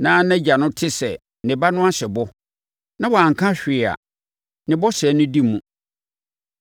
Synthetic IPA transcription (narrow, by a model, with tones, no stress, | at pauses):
nãː˨˦nɛ̃˦d͡ʑa˨nʊ̃˦tʰɪ˦sɛ˨ | nɪ̃˨ba˦nʊ̃˦a˦ɕɛ˨bɔ˦ | nã˦wa˨ŋ˨kʰã˦ɕᶣɪ˨a̰˨ | nɪ̃˨bɔ˦ɕɛ˨˦nʊ̃˦di˦mũ˨